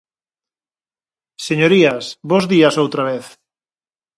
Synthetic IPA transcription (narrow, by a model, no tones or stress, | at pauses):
seɲoɾiasβozðiasowt̪ɾaβ̞eθ